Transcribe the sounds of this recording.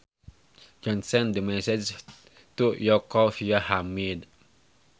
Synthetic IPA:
d͡ʒɔ̃nsɛ̃ndəmɛsɛd͡ʒ | t̪uʔjɔkɔfiahamid

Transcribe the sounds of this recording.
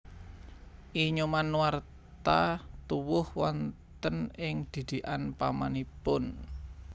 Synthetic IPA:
ʔiɲumanwar | t̪at̪uwʊhwɔnt̪ənɪŋd̪̥i̤d̪̥i̤ʔanpamanipʊn

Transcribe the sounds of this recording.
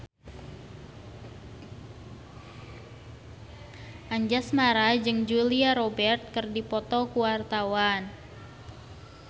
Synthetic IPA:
ʔaɲd͡ʒasmaɾad͡ʒɨŋd͡ʒuliaɾobɛrt̪̚kɨrdipɔt̪ɔkuwart̪awan

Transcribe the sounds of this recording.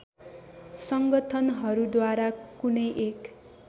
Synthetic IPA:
sʌŋɡʌt̪ʰʌnɦʌɾud̪waɾakunʌjʔek

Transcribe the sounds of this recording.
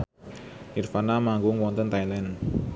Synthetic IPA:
ʔirfanamaŋɡʊŋwɔnt̪ənt̪ailɛn

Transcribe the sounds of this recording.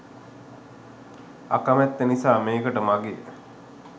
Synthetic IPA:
a̰kamɛt̪ːenisaːmeːkəʈəmaɡej

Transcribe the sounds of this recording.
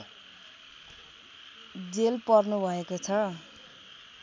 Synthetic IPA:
d͡zelpʌrnubʱʌekot͡sʰʌ

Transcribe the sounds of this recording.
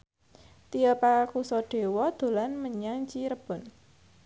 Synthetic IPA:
t̪iəpakusɔɖ̥e̤wɔd̪̥o̤lanməɲaŋt͡ʃiɾəb̥ɔ̤n

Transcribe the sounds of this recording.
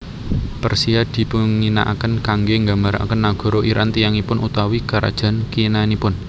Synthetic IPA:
pərsiad̪̥i̤puŋːina̰ʔa̰kənkaŋɡeŋɡambaɾa̰kənːaɡ̥ɔ̤ɾoʔiɾʔant̪ijaŋipʊnut̪awikaɾʔa̰d̥ʒ̥a̤nkinanipʊn

